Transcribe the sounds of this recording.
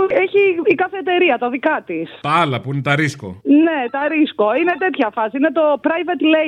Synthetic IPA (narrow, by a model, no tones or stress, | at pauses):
eçiːkɐθe̞ːt̪e̞ɾiɐt̪ɐðikɐt̪ist̪ɐɐlɐpuinet̪ɐɾisko̞̰ne̞t̪ɐɾisko̞inet̪e̞t̪çɐfɐsiine̞t̪o̞pɾɐjvɐt̪le